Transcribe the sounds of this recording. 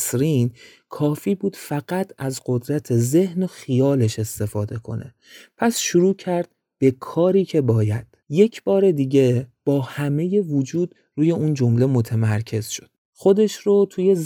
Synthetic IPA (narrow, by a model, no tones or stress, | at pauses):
sɾiːn | kʰɒːfiːbuːd̪̥fæɡæt̪ʰæzɢod̪ɾæt̪ʰe̞ze̞hnoxijɒːle̞ʃe̞st̪e̞fɒːd̪e̞kʰo̞̰ne̞̰ | pʰæsʃuɾuːcʰæɾd̪̥̚ | b̥e̞kʰɒːɾiːcʰe̞bɒːjæd̪̥je̞cʰb̥ɒːɾe̞d̪iɟe̞b̥ɒːhæme̞je̞vod͡ʒuːd̪̥ | ruːje̞uːnd͡ʒo̞mle̞mo̞t̪ʰemæɾcʰe̞z̥ʃo̥d̪̥ | xo̞d̪e̞ʃɾot̪ʰuje̞z